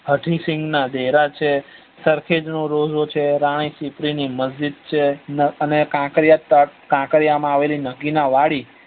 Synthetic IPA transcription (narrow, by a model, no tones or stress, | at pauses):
ɦəʈʰisɪ̃ŋɡnad̪eɾat͡ʃʰe | səɾkʰed͡ʒnõɾod͡ʒot͡ʃʰeɾaɽ̃isipɾiniməzd͡ʒid̪̚t͡ʃʰenəənekãkɾijakãkəɾijamãaʋelinəɡinaʋaɽi